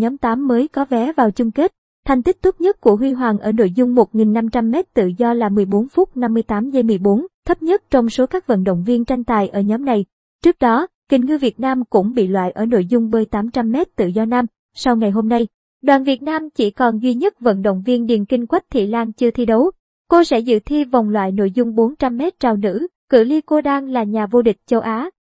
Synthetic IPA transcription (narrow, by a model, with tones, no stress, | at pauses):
ɲɔ˨˦mt̪aː˨˦mːəː˨˦jkɔ˨˦vɛ˨˦vaː˨˩wt͡ɕʊ˧ŋ͡mke˦˥t̚ | t̪ʰɛ˨˩ŋ̟t̪i˦˥k̚t̪ʊ˦˥t̚ɲə˦˥t̚ku˧˩əɦwi˧ɦwaː˨˩nʔəː˧˩no̰˧˨jzʊ˧ŋ͡mmo˨˩t̚ŋi˨˩nːa˧mt͡ɕa˧mːɛ˦˥t̚t̪ɨ̰˧˨zɔ˧laː˨˩mɨ˨˩əjɓo˨˦nfʊ˦˥t̚na˧mːɨ˧jt̪aː˨˦mzə˧jmɨ˨˩əjɓo˨˦nt̪ʰə˦˥p̚ɲə˦˥t̚t͡ɕɔ˧wŋ͡mso˨˦kaː˦˥k̚və̰˧˨nɗo̰˧˨wŋ͡mvi˧ənt͡ɕa˧jŋ̟t̪aː˨˩jʔəː˧˩ɲɔ˨˦mna˨˩j | t͡ɕɨ˦˥ək̚ɗɔ˨˦kï˨˩ŋ̟ŋɨ˧vi˨˩ət̚naː˧mkʊ̰˧˥ŋ͡mɓḭ˧˨lwa̰ː˧˨jʔəː˧˩no̰˧˨jzʊ˧ŋ͡mmɨ˨˩əjt̪aː˨˦mt͡ɕa˧mːɛ˦˥t̚t̪ɨ̰˧˨zɔ˧naː˧m | sa˧wŋa˨˩jɦo˧mna˧j | ɗwaː˨˩nvi˨˩ət̚naː˧mt͡ɕḭ˧˩kɔ˨˩nzwi˧ɲə˦˥t̚və̰˧˨nɗo̰˧˨wŋ͡mvi˧ənɗi˨˩nkï˧ŋ̟kwa˦˥jk̚t̪ʰḭ˧˨laː˧nt͡ɕɨ˧ət̪ʰi˧ɗə˨˦w | ko˧sɛ̰˧˥zɨ̰˧˨t̪ʰi˧va˨˩wŋ͡mlwa̰ː˧˨jno̰˧˨jzʊ˧ŋ͡mɓo˨˦nt͡ɕa˧mːɛ˦˥t̚t͡ɕaː˨˩wnɨ̰˧˥kɨ̰˧˩li˧ko˧ɗaː˧ŋlaː˨˩ɲaː˨˩vo˧ɗï˨˩k̟̚t͡ɕə˧wʔaː˨˦